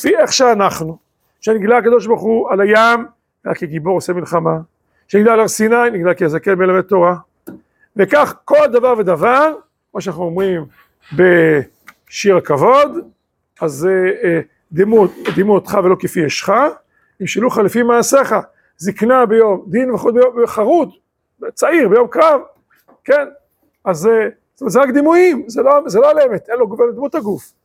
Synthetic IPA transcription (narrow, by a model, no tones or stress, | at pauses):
lfieχʃeanaχnu | ʃeniɡlaakad̪o̞ʃbaʁχualajam | ɡla̰kːeɡibo̞ʁosemilχama | ʃeniɡlaalaʁsinajniɡlakejazakelbelavet̪o̞ʁa | vekaχko̞ld̪avaʁved̪avaʁ | kmoʃanaχnuomʁim | be̞ | ʃiʁakavo̞d̪ | aze | d̪imutd̪imuot̪χavelo̞kefieʃχa | imʃiluχalefimaːseχa | ziknabejo̞md̪inveχud̪̚bejoveχaʁud̪ | bt͡saiʁbejo̞mkʁav | ken | azestomet̪zeʁakd̪imuimzelozeloalemet̪enloɡved̪mut̪haɡuf